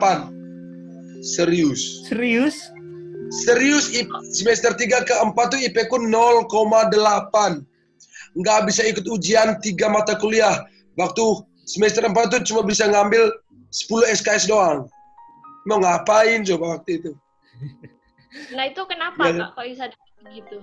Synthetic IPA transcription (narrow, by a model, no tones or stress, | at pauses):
pan | səɾiʊssɾiʊs | səɾiʊsisəmɛst̪ərt̪iɡakəəmpat̪̚ːuipɛkʊnːɔlkomadəlapan | ŋɡaʔbisaikʊt̪ud͡ʒiant̪iɡamat̪akuliah | wak̚t̪u | səmɛst̪əɾəmpat̪̚ːut͡ʃumabisaŋambɪl | sə̥pulʊhɛskaɛsdoaŋ | nɔŋapaɪnt͡ʃobawak̚t̪uit̪u | nait̪ukənaaakaisa | əɡit̪u